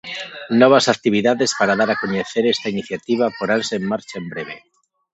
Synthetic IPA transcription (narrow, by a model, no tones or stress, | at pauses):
nɔβ̞asakt̪iβiðaðespaɾaðaɾakoɲeθeɾest̪ainiθjat̪iβ̞apoɾanseːmːaɾt͡ʃaembɾeβ̞e